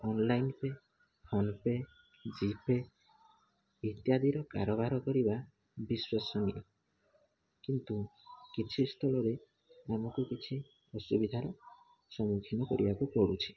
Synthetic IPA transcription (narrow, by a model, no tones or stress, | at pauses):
ɔnlajnpe | pʰɔnpe | d͡ʒipe | it̪jad̪iɾɔka̰ɾɔbaɾɔkɔɾiba | biswesɔnie | kint̪ukit͡ʃʰist̪ʰɔlɔɾe | amɔkukit͡ʃʰi | ɔsubid̪ʱaɾɔ | sɔmukʰinɔkɔɾibakukɔɽut͡ʃʰi̥